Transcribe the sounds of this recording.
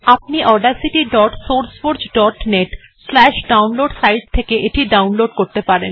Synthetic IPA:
ap̚niʔɔɾɖaɾsiʈiɖɔʈsoɾsfoɾd͡ʑɖɔʈneʈ | slɛʃɖawnloɖsajʈ̚t̪ʰekeʔeʈiɖawnloɖkoɾt̪epaɾḛn

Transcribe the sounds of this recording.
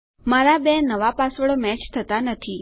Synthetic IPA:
maɾabenəʋapasʋəɭomɛt͡ʃt̪ʰət̪anət̪ʰi

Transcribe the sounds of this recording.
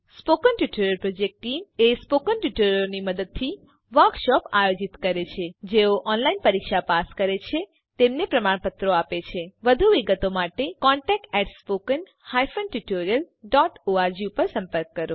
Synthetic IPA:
spokənʈuʈoɾijəlpɾod͡ʒek̚ʈʈːimespokənʈuʈoɾjəlniməd̪əd̪̚t̪ʰːi | ʋəɾkʃɔpajod͡ʒit̪kəɾet͡ʃʰed͡ʒeoʔɔnlainpəɾikʃapaskəɾet͡ʃʰe | t̪emnepɾəmaɳ̃pət̪ɾoapet͡ʃʰeʋəd̪ʱuʋiɡət̪omaʈekɔɳʈɛk̚ʈɛʈspokən | hajfənʈuʈoɾiəl | ɖɔʈoaɾd͡ʒiupəɾsə̃mpəɾkːəɾo

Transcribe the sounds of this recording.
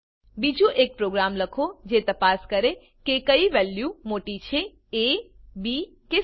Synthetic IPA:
bid͡ʒũʔek̚pɾoɡɾamləkʰod͡ʒet̪əpaskəɾe | kekəiʋɛljumoʈit͡ʃʰe | e | bi | ke

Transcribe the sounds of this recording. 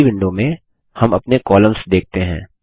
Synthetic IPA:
bɪ̃ɳɖõmẽ | hɐmɐpnekɔːlə̃msd̪eːk̚t̪eɦɛ̃ː

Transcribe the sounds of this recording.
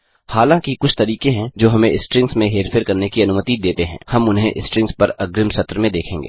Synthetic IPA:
haːlãːŋkikʊt͡ʃʰt̪ɐɾiːkẽɦɛ̃d͡ʒoːɦɐmẽɪsʈɾɪ̃ŋɡsmẽɦeːɾfʰeːɾkɐɾnekiɐnʊmət̪id̪eːt̪eɦɛ̰̃ːhɐmʊnɦḛ̃ʔɪsʈɾɪ̃ŋɡspɐɾɐɡɾɪmsɐt̪ɾəmẽd̪eːkʰẽːŋɡeː

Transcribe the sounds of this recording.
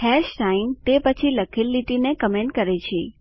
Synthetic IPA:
hɛʃʈaint̪epət͡ʃʰiləkʰilːiʈinekəmẽɳʈkəɾet͡ʃʰi

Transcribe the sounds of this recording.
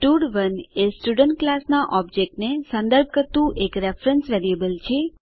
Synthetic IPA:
ʈuɽʋənesʈuɖəɳʈ̚klasnaʔɔb̚d͡ʒek̚ʈnesə̃nd̪əɾb̚ʱkəɾt̪ũʔekɾefɾənsʋeɾiəbəlt͡ʃʰe

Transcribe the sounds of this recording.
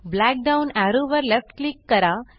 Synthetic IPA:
blæk̚ɖaunæɾuʋəɾlefʈklikːəɾa

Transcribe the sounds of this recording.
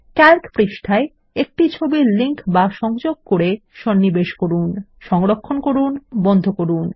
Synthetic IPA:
kɛɾkpɾiʃʈʰae | ek̚ʈit͡ɕʰobiliŋkbaʃɔŋd͡ʑoɡ̚koɾeʃɔnːibeʃkoɾun | ʃɔŋɾokʰːonkoɾunbɔnd̪ʱokoɾun

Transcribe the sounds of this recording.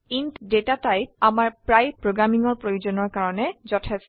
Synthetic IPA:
intdetatajamaɹpɹajpɹoɡɹamiŋɔɹpɹojuzɔnɔɹkaɹɔnɛzɔtʰɛs

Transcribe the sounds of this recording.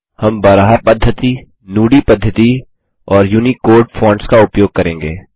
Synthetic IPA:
hɐmbaːɾaɦaɾpɐd̪ʱjət̪i | nuːɽipɐd̪ʱːət̪i | ɔːɾjuːnikoːɾɖfʰɔ̃ːɳɖskaʊpjoːɡ̚kɐɾẽːŋɡḛː

